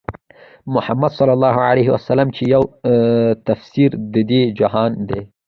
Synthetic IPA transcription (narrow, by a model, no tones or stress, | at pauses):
mʊhamːad̪sɑlːɑlːɑɦoʕaleɦɪwasalːamt͡ʃejaw | t̪afsiɾd̪əd̪ed͡ʒaɦɑnd̪e